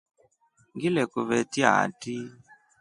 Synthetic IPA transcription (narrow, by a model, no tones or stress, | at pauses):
ŋɡilɛkuβɛtia̰ti